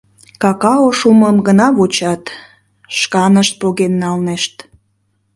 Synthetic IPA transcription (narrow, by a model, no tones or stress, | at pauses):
kɑkɑoʃuməmɡənɑβot͡ɕɑt̪ | ʃkɑnəʃt̪̚poɣenːɑlneʃt̪